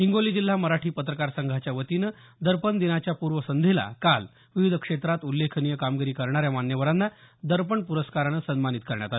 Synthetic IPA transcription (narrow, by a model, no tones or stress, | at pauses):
ɦiŋɡoliːd͡ʑil̤ːaməɾaʈʰiːpət̪ɾəkaɾsəŋɡʱat͡ɕjaʋət̪inə | d̪əɾpənd̪inat͡ɕjapuɾʋəsənd̪ʱela̰kal | ʋiʋid̪ʱəkʂet̪ɾat̪ulːekʰənijəkamɡiɾiːkəɾɳ̃aɾjamanjəʋəɾanːad̪əɾpəɳpuɾəskaɾanəsənmanit̪̚kəɾɳja̰t̪al